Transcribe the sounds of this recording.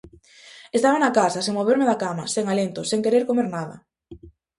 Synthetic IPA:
est̪aβanakasɐseŋmoβ̞eɾmeðakamaseŋalent̪oseŋkeɾeɾkomeɾnaðɐ̰

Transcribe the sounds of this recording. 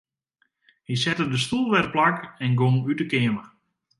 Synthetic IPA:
hisɛtədəstulˠʋɛrplakɛnɡoŋytəkɪəmə

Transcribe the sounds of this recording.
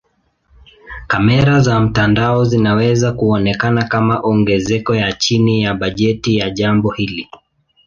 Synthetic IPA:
kamɛɾazam̩tandaɔzinawɛzakuɔnɛkanakamaʔɔŋɡɛzɛkɔjat͡ʃinijaɓaʄɛtijaʄambɔhili

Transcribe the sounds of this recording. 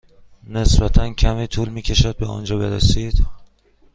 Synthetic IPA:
ne̞sbæt̪ʰæncʰæmiːt̪ʰuːlmiːcʰe̞ʃæd̪̚beɒ̰ːnd͡ʒɒːbe̞ɾḛsiːd̪̥

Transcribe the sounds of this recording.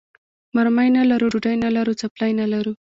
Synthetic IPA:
maɾmajnalaɾuɖuɖajnalaɾut͡saplajnalaɾu

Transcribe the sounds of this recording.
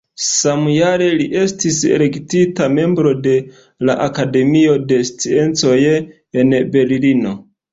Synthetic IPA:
samjaɾe̞liʔe̞stisḛle̞ktitame̞mbɾo̞de̞ | laʔakade̞mio̞de̞st͡sie̞nt͡so̞j | e̞nbe̞llino̞

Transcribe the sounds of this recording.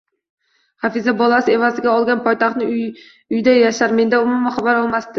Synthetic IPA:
χafɪzabɒlˠasɪe̞vazɪɡʲaɒlˠɡʲanpʰɒjt̪ʰaχt̪nɪ | ʊjd̪ajaʃaɾme̞nd̪aʊmʊmaχabaɾɒlˠmast̪ɪ

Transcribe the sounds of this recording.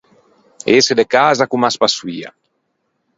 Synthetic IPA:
esed̪ekazakumaspasuwia̰

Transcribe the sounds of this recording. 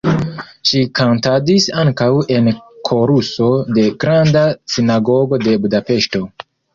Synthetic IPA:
ʃikʰantadisaŋkawe̞nkʰo̞ɾuso̞de̞ɡɾandasinaɡo̞ɡo̞de̞budape̞ʃto̞

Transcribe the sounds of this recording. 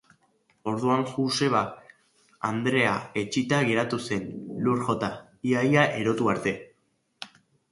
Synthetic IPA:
o̞ɾðuaŋʝuse̞βa | a̰nd̪ɾe̞ae̞t͡ʃit̪aɣe̞ɾat̪use̞nluɾxo̞t̪a | iajaʔe̞ɾo̞t̪uaɾt̪e̞

